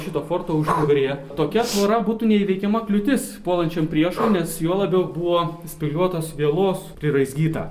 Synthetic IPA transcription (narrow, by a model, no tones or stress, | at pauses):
ʃʲɪt̪oːfoːrt̪oːʊʃt̪ʊɡɾʲeːt̪oːkʲɛt̪ʋoːɾɐbuːt̪unʲɛiːʋʲɛɪkʲɛmɐklʲʊt̪ʲɪspoːlˠɐnʲt͡ʃʲɛmpʲɾʲiɛʃoːnʲɛsjoːlˠɐbʲɛʊbuʋoːsʲpʲɪlʲuɔt̪oːsʋʲiɛlˠoːspʲɾʲɪɾɐɪzʲɡʲiːt̪ɐ̰ː